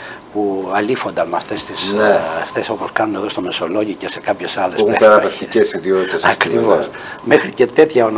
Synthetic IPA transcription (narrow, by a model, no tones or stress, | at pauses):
puɐlifo̞nd̪ɐnmɐft̪est̪isft̪e̞so̞poskɐnune̞ðo̞st̪ome̞so̞lo̞ʝicese̞kɐpçe̞sɐlesueeɾɐpeft̪iesiðiot̪it̪esɐkɾivos | mexɾice̞t̪e̞t̪çɐon